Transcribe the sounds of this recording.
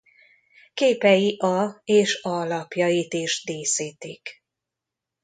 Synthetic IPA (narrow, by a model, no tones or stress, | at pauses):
keːpɛjiʔɒeːʃɒlɒpjɒjit̪eːʒd̪eːsiːt̪ik